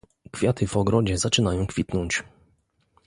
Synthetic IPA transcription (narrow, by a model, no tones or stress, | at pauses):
kfʲjat̪ɘvɔɡɾɔd͡ʑɛzat͡ʂɘnajɔ̃w̃kfʲit̪nɔɲt͡ɕ